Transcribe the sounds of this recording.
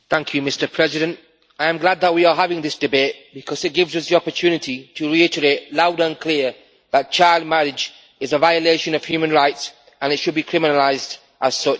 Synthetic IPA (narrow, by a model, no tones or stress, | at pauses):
θæ̃ŋkʰjɨmɪstə˞pʰɹ̥ɛzɪɾɨ̃nt | ʔaɪə̃mɡlad̪̚ðət̚wiəɦavɪ̃ŋðɪsd̥ɨbeɪt̚b̥ɨkʰʌzɨt̚ɡ̥ɪvzʌsðiɑpə˞tʰʉːnɨtʰitʰəɹiɪtə˞eɪʔlaʊdə̃nkʰl̥ɪə | ðət̚t͡ʃʰaɪlˠd̚mæɹɪd͡ʒ | ɨzəvaɪəleɪʃɨ̃nʌv̥hjʉːmə̃nɹaɪts | ə̃nɨtʃɨd̚bikʰɹ̥ɪmɨnəlaɪzd | ʔəz̥sʌt͡ʃ